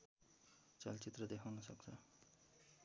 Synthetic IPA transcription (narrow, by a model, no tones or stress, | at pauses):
t͡sʌlt͡sit̪rʌd̪ekʰawnʌsʌkt͡sʰʌ